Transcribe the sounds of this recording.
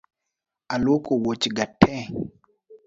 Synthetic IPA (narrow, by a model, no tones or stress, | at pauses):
alwokowot͡ʃɡatʰːɛ